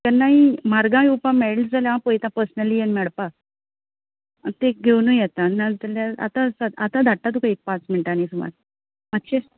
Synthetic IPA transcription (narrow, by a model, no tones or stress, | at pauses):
k̪ənnaɦimaɾɡãjupãmeld͡zaljaãpojt̪ãpəɾsnəlijenmɛɭpa | t̪ek̚ɡʱewnujɛt̪ãnad͡zaljaa̰t̪ãsaat̪ãd̪ʱaʈːat̪̬ukaipat͡smeɳʈanisuma̰ɾ | mat̪ːɕe